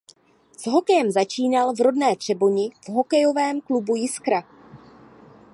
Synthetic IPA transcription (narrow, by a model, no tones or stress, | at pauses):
z̥ɦo̞kɛjɛmzat͡ʃiːnalvɾo̞dnɛːt̪r̝̥ɛbo̞ɲɪvɦo̞kɛjo̞vɛːmklubujɪskɾa